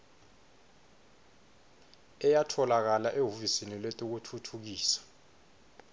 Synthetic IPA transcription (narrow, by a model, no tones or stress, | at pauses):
ɛjatʰɔlak̬alaʔeɦufisiniletʼuk̬utʰutʰuk̬iːsḁ